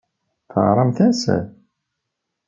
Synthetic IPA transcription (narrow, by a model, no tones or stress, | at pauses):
θəʁɾˤɑmθæsæ̰